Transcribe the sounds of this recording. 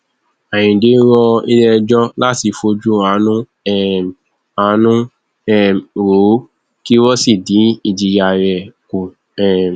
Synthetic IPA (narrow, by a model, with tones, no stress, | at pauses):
a˨j̃ĩ˨de˨˦ɾɔ˧i˧lɛ˧d͡ʒɔ˦la˦ti˧fo˧d͡ʒu˦a˨˦nũ˦ | ɛ˦˨ | a˨˦nũ˦ | ɛ˦˨ɾo˨˦ | ki˦wɔ˦si˦˨dĩ˨˦i˦˨d͡ʒi˧ja˧˨ɾɛ˨ku˨ | ɛ˦˨